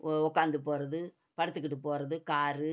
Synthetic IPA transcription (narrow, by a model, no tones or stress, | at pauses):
ɔkːaːnd̪ɯpoːɾɐðɯ | pɐɽɯt̪ːɯk̬ːɪʈ̬ːɯpoːɾɐðɯkaːɾɯ